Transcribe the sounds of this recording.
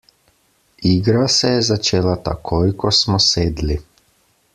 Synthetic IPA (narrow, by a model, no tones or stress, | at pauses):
iɡɾasejezat͡ʃeːlat̪a̰kʰojikosmɔseːd̪li